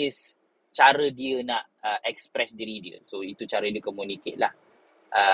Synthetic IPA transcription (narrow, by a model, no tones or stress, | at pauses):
ɪs | t͡ʃaɾədiənaʔəʔɛkspɾɛsdiɾidiə̰soit̪ut͡ʃaɾədiəkomjuniket̪̚la | ʔə